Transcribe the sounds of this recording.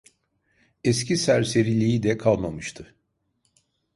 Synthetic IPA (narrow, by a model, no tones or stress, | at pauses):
ɛscʰisæɾse̞ɾilʲijid̪ɛkʰalˠmamɯʃt̪ʰɯ